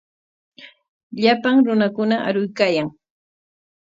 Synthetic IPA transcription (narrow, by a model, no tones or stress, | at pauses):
ʎapaŋɾʊnakʊnaa̰ɾʊjkaːjaŋ